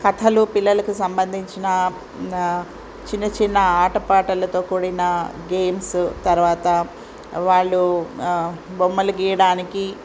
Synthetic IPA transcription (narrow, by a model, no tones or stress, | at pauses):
kɐt̪ʰɐlupilːɐlɐkusɐmbɐnd̪ʱiɲt͡ʃinɐ | t͡ʃinːɐt͡ʃinːɐaːʈɐpaːʈɐlɐt̪o̞ːkuːɽinɐɡeːmst̪ɐɾuʋaːt̪ɐ | ʋaːɭːu | bomːɐlɐɡiːjɐɽaːniki